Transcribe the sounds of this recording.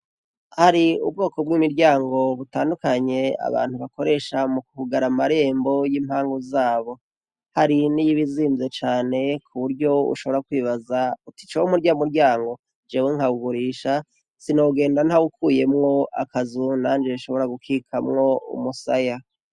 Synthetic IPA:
haɾiṵb̚ɡo̞ːko̞bɡiːmiɾɟaːŋɡo̞βutaːndukaɲe̞a̰βa̰ːn̥huβako̞ɾe̞ʃamukuhuɡaɾamaɾe̞ːmbo̞jiːmhaːŋɡuzaːβo̞ | haɾinijiβiziːnze̞t͡ʃaːne̞kʰuβuɾɟo̞ṵʃo̞βo̞ɾakwiːβazauti̥t͡ʃoumuɾɟamuɾɟaːŋɡo̞ | d͡ʒewiŋ̥haɡuɡuɾiːʃa | sinoːuɡe̞ːndan̥hawukʰuːje̞mŋo̞a̰kazunand͡ʒeiʃo̞βo̞ɾaɡukʰikʰamŋo̞ṵmusa̰ja

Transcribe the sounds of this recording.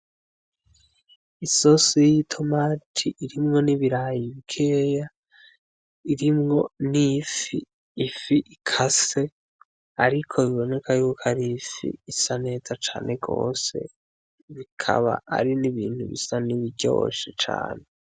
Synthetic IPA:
isosojitʰo̞matʰiʔiɾimŋo̞niβiɾaːjiβikʰeja | iɾimŋo̞nifiː | fiʔikʰase̞ | aɾikʰo̞iβo̞ne̞kʰajuːkʰaɾifḭːsane̞ːz̥at͡ʃa̰ːnʔe̞ɡo̞̰ːse̞̰ | βikʰa̰βa̰a̰ɾiniβiːnhuβḭsaniβiɟo̰ʃet͡ʃa̰ːne

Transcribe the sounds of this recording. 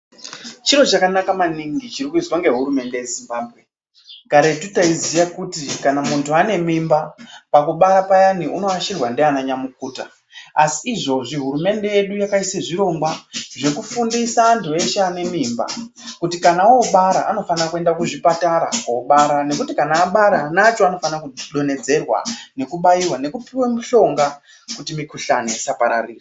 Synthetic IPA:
t͡ʃiɾo̞t͡ʃakanakamaniŋɡit͡ʃiɾikuizwaŋɡe̞ɦuɾume̞nde̞je̞zimbaːbʱɣe̞ | kaɾe̞tutaizijakutikanamuntʰuane̞mimbapakuɓaɾapajaniʔuno̞aʃirwandeanaɲamuk̚uːta̰ | asiːʐo̞ʐiɦuɾume̞nde̞je̞ɗujakaiseʐiɾo̞ŋɡwaʐe̞kufundisandue̞ʃane̞mimba̰ | kutikanaoɓaɾaʔano̞fanakue̞ndakuʐipataɾa̰kouɓaɾane̞kutikanaːɓaɾanat͡ʃoano̞fanakuɗo̞ne̞d͡ze̞rwa̰ne̞kuɓajiwane̞kupiwemuɬo̞ŋɡa | kutimikuɬanesapaɾa̰riːra

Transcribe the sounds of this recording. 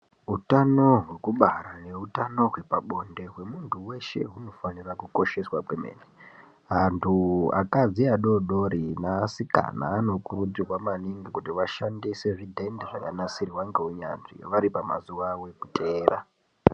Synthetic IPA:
ɦutano̞ɦwe̞kuɓaɾane̞utano̞ɦwe̞paɓo̞nde̞ɦwe̞muntʰuwe̞ʃe̞̰ɦuno̞fanirakuko̞ʃe̞swakwemḛːne | ɦantʰua̰kad͡ziaɗo̞ɗo̞ɾinasika̰na̰ːno̞kurud͡zirwamaniŋɡikutiʋaʃandese̞ʐidʱe̞ndeʐakanasiriwaŋɡeɦuɲa̰nʐḭʋaɾipama̰zuʋawe̞kutʰe̞ːɾa

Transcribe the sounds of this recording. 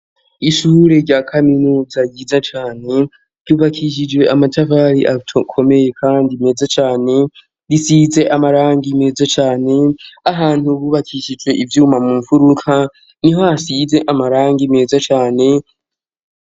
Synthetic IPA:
iʃuːɾe̞ɾɟakʰaminuːzajizat͡ʃaːne̞ | ɾɟuːβakʰiʃ̬id͡ʒwe̞ʔamatavaːɾiʔatʰkʰo̞me̞je̞kʰaːndime̞zat͡ʃaːne̞ | ɾisiːze̞ʔamaɾaːŋɡime̞zat͡ʃaːne̞aɦaːn̥huβuːβakʰiʃid͡ʒwe̞ʔivjuːmamumufuɾukʰa | niɦoasize̞ʔamaɾaːŋɡime̞ːzat͡ʃaːne̞

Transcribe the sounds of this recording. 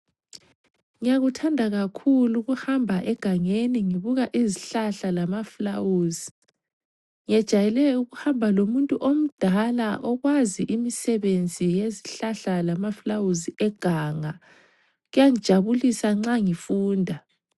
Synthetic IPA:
ŋijaɣutʰandʱaɣakʰuluɣuhambʱaʔɛɡ̥ʱaŋeniŋiβuɣaʔiziɬaɬalamaflawuːzi | ŋiɛd̥ʒ̥ʱajɛlɛuɣuhambʱalomuntʼuʔom̩d̥ʱalaʔɔɣwaziʔimisɛβend͡zʱijeziɬaɬalamaflawuziʔɛɡ̥ʱaːŋa | ɣujaŋid̥ʒ̥ʱaβulisaŋ͡ǁaŋifuːndʱa

